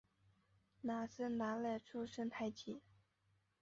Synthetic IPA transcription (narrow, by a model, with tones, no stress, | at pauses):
na˨˩sə˥nna˧˥la˥˩ʈ͡ʂʰu˥˧ʂə˥ŋt̪ʰa˧˥ɪt͡ɕʰi˨˩˦